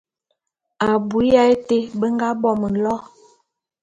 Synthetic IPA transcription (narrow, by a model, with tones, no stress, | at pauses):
a˨bu˨˦ja˦e˦te˦bə˦ŋ˦ɡa˦bɔ˦mə˨n̩˨lɔ˦